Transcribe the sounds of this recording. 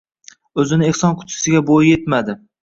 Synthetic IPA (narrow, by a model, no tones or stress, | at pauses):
ɵzɪnɪe̞hsɒnkʰʊ̥t̪ʰɪ̥sɪɡʲabojɪje̞t̪mad̪ɪ